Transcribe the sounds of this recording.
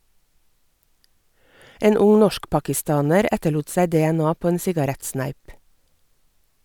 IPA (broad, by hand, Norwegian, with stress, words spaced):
ˈeːn ˈʊŋ ˈnɔʃkpɑkɪˌstɑːnəɾ ˈɛtəˌɭuːt ˈsæɪ ˌdɛæˈnɑː ˈpoː ˈeːn ˈsɪɡɑɾɛtˌsnæɪp